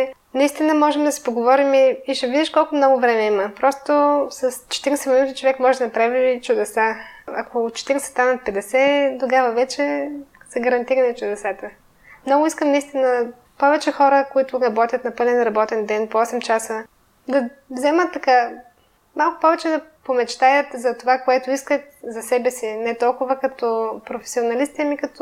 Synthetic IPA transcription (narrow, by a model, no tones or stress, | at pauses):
nɐist̪inəmɔʒɛmd̪ɐsi̥poɡovɔɾimiːʃɛvid̪iʃkɔlˠkʊmnɔɡʊvɾɛmɛiməpɾɔst̪ʊsɐst͡ʃɛ̥t̪iɾʲɛsɛminut̪it͡ʃovɛkmɔʒɛd̪ɐnɐpɾavit͡ʃʊd̪ɛsaɐkot͡ʃɛ̥t̪iɾɛsɛ̥t̪anɐt̪̚pɛd̪ɛsɛd̪oɡavəvɛt͡ʃɛ | sɛɡɐɾɐnt̪iɾɐnɛt͡ʃʊd̪ɛsat̪ə | mnɔɡʊiskəmnɐist̪inə | pɔvɛt͡ʃɛxɔɾəkoit̪ʊɾɐbɔt̪ʲjət̪nɐpɤlɛnɾɐbɔt̪ɛnd̪ɛnpoɔsɛmt͡ʃasə | d̪ɐvzɛmət̪ːɐka | malˠkʊ̥pɔvɛt͡ʃɛd̪ɐpomɛt͡ʃt̪ajət̪zɐt̪ovakoɛt̪ʊiskət̪zɐsɛbɛsinɛt̪ɔlˠkʊvəkɐt̪ɔpɾofɛ̥sʲionɐlist̪ɛmikɐt̪ɔ